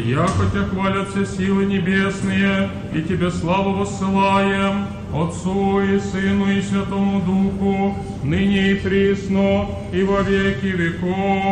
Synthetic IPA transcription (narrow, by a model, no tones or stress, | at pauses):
jakɔtʲaxvalʲɐt̪fsʲesʲilˠɨnʲɪbʲesnɨjə | itʲɪbʲeslˠavɐpəsːɨlˠajɪm | ɐt̪suisɨnʊisʲvʲɐt̪omʊd̪uxʊ | nɨnʲɪːt̪ɾʲisno | ivɐvʲekʲɪʋʲɪko